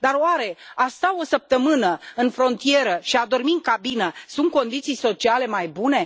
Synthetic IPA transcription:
d̪aroaɾe̞ast̪aosəp̚t̪əmɨnəɨnfɾo̞nt̪ije̞ɾəʃiad̪o̞rmiŋkabinəsunt̪̚ko̞nd̪it̪sijso̞t͡ʃiale̞majbune̞

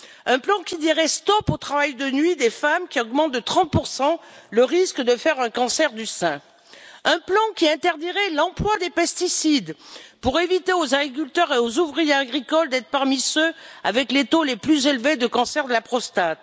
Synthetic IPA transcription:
ɛ̃plɑ̃kʲid̪iʁɛst̪ɔpot̪χavajd̪ənɥid̪efamkʲiɔɡmɑ̃t̪̚d̪ət̪χɑ̃t̪̚puʁsɑ̃ləʁiskd̪əfɛʁɛ̃kɑ̃sɛʁd̪ysɛ̃ | ɛ̃plɑ̃kʲiɛ̃t̪ɛʁd̪iʁɛlɑ̃plwad̪epɛst̪isid̪puʁevit̪eozaɡʁik̬ylt̪œʁeozuvʁijeaɡʁikɔld̪ɛt̪χpaʁmisøa̰vɛklet̪oleplyzelved̪əkɑ̃sɛʁd̪əlapχɔst̪at̪

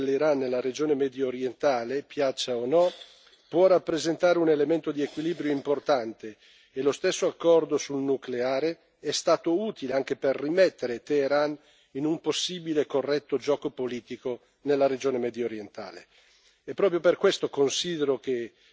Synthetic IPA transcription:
leɾanːelːaɾed͡ʒoːnemɛd̪jooɾjent̪aːlepjat͡ʃːaonɔ | pwɔrapːɾezent̪aːɾeunelement̪od̪iekwiliːbɾjoimport̪ant̪eː | lost̪esːoakːɔrd̪osulnukleaːɾe | ɛst̪aːt̪ouːt̪ileaŋkeperːimɛt̪ːeɾet̪eːɾan | inumposːiːbilekorːɛt̪ːod͡ʒɔːkopoliːt̪iko | nelːaɾed͡ʒoːnemɛd̪jooɾjent̪a̰ːlḛ | ɛpːɾɔːpɾjoperkwest̪okonsiːd̪eɾoke

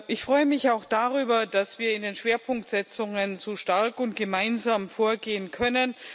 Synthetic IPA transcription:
ʔɪçfʁ̥ɔʏəmɪçaʊxd̥aʁyːbɐd̥asv̥iːɐɪndeːnʃv̥eːɐpʰʊŋk̚tz̥ɛt͡sʊŋənzoːʃtaɐkʊnt̚ɡ̥əmaɪnzaːmfoːɐɡeːənkʰœnən

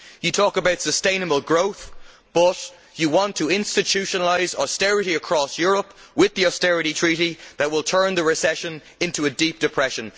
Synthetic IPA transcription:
jətʰɔːkəbaʊtsəstẽɪ̃nəbəlˠɡɹoʊθ | b̥ʌt͡ʃ | əwɑ̃ntʰəɪ̃nstɨtʰʉʃənəlaɪzɔstɛɹɨɾiəkʰɹ̥ɔsjɔɹəpwɪðiɔstɛɹɨɾitʰɹ̥iɾiðət̚wɪlˠtʰɜ̃˞nðəɹɪsɛʃə̃n | ɪ̃ntuədip̚d̥ɨpʰɹ̥ɛʃə̃n

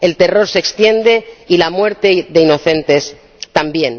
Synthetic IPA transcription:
e̞lt̪e̞ro̞ɾse̞kst̪je̞nd̪e̞ilamwe̞ɾt̪e̞ðe̞ino̞θe̞nt̪e̞s | t̪ambje̞n

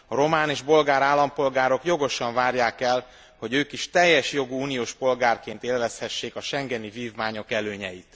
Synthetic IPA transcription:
ɒɾo̞maːniʒbo̞lɡaːɾaːlːɒmpo̞lɡaːɾo̞kjo̞ɡo̞ʃɒɱvaːrjaːkɛl | ho̞ɟøːkiʃt̪ɛjːɛʃjo̞ɡuuːnijoːʃpo̞lɡaːrkeːnt̪eːlvɛshɛʃːeːkɒʃɛŋɡɛniviːvmaːɲo̞kɛløːɲɛjit̪

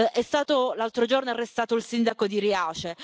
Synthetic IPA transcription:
ʔɛst̪aːt̪olalt̪ɾod͡ʒornoareɛst̪aːt̪oilsind̪akod̪iɾiaːt͡ʃe

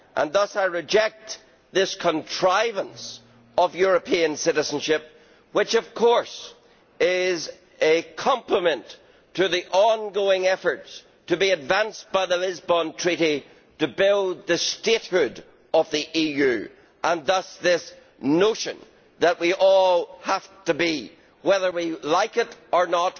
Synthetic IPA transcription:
ʔə̰̃nðʌsaɪɹɨd͡ʒɛk̚t | ðɪskʰə̃ntʰɹ̥aɪvə̃ns | ʌvjʊɹəpʰiə̃nsɪɾɨzə̃n̩ʃɪp̚ | wɪt͡ʃʌv̥kʰɔɹs | ɪz | ɨkʰʌ̃mpləmɨ̃nt | tʰɨðiʔɔ̃nɡoɪ̃ŋɛfə˞ts | tʰɨbiɨdvãnsb̥aɪðəlɪzbɔ̃ntʰɹ̥iɾi | ɾɨbɪlˠðɨstet̚hʊd | ʌvðiʔijʉ | ʔə̃nðʌsðɪs | noʃɨ̃n | ðəʔ̚wiʔɔlˠhaftɨbi | wɛðə˞wilaɪkɪɾə˞nət

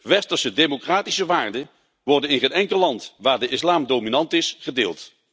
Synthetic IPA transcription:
ʋɛstəɹsədemokraːtisəʋaːɹdə | ʋɔɹdənɪnχənɛŋkəlɑntʋaːɹdəʔɪslaːmdowminɑntɪsχədḛːlˠt

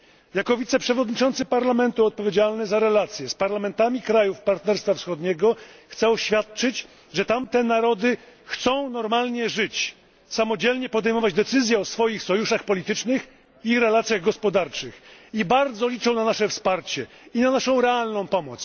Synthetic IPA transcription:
jakɔvʲit̪sɛpʂɛvɔd̪ɲit͡ʂɔnt̪sɘpaɾlamɛnt̪uɔt̪̚pɔvʲed͡ʑalnɛzaɾɛlat̪sʲjɛspaɾlamɛnt̪amʲikɾajufpaɾt̪nɛɾst̪fafsxɔd̪ɲɛɡɔxt̪sɛɔɕfʲjat̪̚t͡ʂɘt͡ɕ | ʐɛt̪amt̪ɛnaɾɔd̪ɘxt̪sɔ̃w̃nɔɾmalɲɛʐɘt͡ɕ | samɔd͡ʑɛlɲɛpɔd̪ɛjmɔvad͡ʑd̪ɛt̪sɘzʲjɛɔsfɔjixsɔjuʂaxpɔlʲit̪ɘt͡ʂnɘx | iɾɛlat̪sʲjaɣɡɔspɔd̪aɾt͡ʂɘxibaɾd̪zɔlʲit͡ʂɔ̃w̃nanaʂɛfspaɾt͡ɕɛ | inanaʂɔ̃w̃ɾɛalnɔ̃w̃pɔmɔt̪s

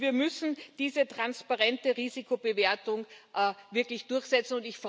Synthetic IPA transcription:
viːɐmʏsn̩d̥iːzətʁ̥anspaʁɛntəʁiːzikʰobəveːɐtʊŋʔvɪɐklɪçd̥ʊɐçz̥ɛt͡sn̩ʊntɪçf

